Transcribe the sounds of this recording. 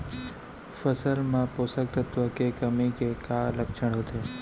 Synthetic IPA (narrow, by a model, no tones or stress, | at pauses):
fəsəlmãposək̚t̪ʰət̪ʋəkekəmikekaləkʃəɽɦot̪ʰe